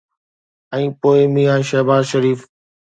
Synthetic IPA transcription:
ɛ̃ːpoːɪmĩːãːʃɛːbaːzʃəɾiːf

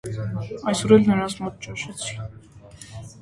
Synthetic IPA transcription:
ɑjsɔɾɛlnəɾɑnt͡sʰmɔt̪̚t͡ʃɑnʃɛt͡sʰi̥

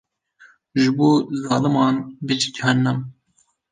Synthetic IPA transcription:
ʒɨboːzɑːlɨmɑːnbɨd͡ʒid̪ihɑnːɛm

